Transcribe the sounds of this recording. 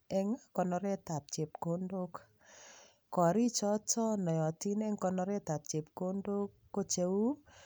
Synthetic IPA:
ɛ˦ŋa˦kɔ˨nɔ˧ɾɛ˦ta˨p̚t͡ʃe˨p̚ko˦ndo˦k | kɔ˨ɾi˦t͡ʃɔ˦tɔ˦nɔ˨jɔ˨ti˦nɛ˦ŋkɔ˧nɔ˧ɾɛ˦ta˨p̚t͡ʃe˨p̚ko˦ndo˦kːo˦t͡ʃe˨u˦

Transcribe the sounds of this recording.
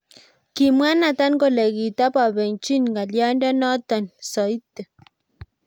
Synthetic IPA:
ki˨mwa˦na˨t̪a˦nko˨le˨ɡi˨t̪a˦pa˨βe˨nt͡ʃi˦nŋɡa˨lja˦ndo˦no˦t̪o˨nso˨i˦t̪ə˨

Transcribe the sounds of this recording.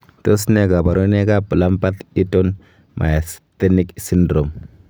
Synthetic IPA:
to˦sne˦ɡa˨ba˨ɾo˦ne˦ɡa˦pu˨la˦mpa˦t̪i˦to˦n | mʔa̰˨ja˨st̪e˦ni˦ksi˦ndɾo˨m

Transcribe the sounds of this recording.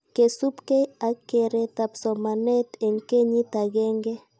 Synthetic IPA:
ke˨su˦pke˦a˨˦kːe˨ɾe˨t̪a˨psɔ˨ma˨ne˦t̪e˨ŋke˦ɲi˦t̪a˨ɣɛ˦ŋɡe˦

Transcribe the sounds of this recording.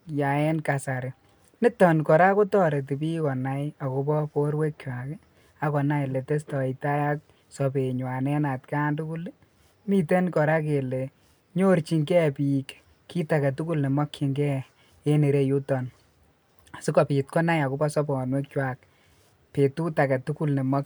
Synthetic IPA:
ja˨e˦nka˨sa˨ɾɪ˨ | nɪ˦tɔ˨nkɔ˨ɾa˦ko˦tɔ˦ɾe˨t̬i˨bi˦kɔ˨na˦ja˨ko˦bɔ˦po˦ɾwe˦k̚t͡ʃwa˨k | a˦kɔ˨na˦jle˨te˦stɔ˨i˨ta˦ja˦k̚ | sɔ˨be˨ɲwa˨nɛ˦na˨tka˦ndu˦ku˦l | mi˨te˦nkɔ˨ɾa˦k̬e˨le˨ | ɲo˦ɾt͡ʃi˧ŋɡɛ˦pi˨k | kːi˦ta˨kɛ˨tu˦ku˦lne˨mɔ˦kːi˨ŋɡɛ˦ | e˦ni˨ɾe˦ju˦tɔ˨n | a˨si˦kɔ˨pi˨t̚kɔ˦na˦ja˨ku˦bɔ˦sɔ˦bɔ˨nwe˦k̚t͡ʃwa˨k | pe˨tu˦ta˨kɛ˨tu˦ku˦lni˨mɔ˦k̚

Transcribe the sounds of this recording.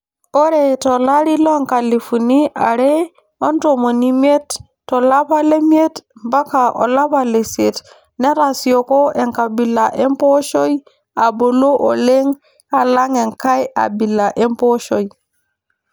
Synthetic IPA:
o˦ɾe˨to˨la˦ɾi˦lo˦ŋka˨li˨fu˨ni˦ʔa̰˨ɾe˦ | o˦nto˨mo˨ni˦mi˦e˦tː | o˨la˦pa˦le˦mi˦e˦tmba˦ka˨ʔo̰˨la˦pa˨le˨si˨e˨t | ne˦ɾa˨si˨o˨ko˦ʔe˨ŋka˨bi˨la˨ʔe˦mpo˦ʃo˦j | a˨bo˨lo˦ʔo̰˨le˦ŋ | a˨la˦ŋe˨ŋka˦ja̰˨bi˨lːa˨ʔe˦mpo˦ʃo˦j

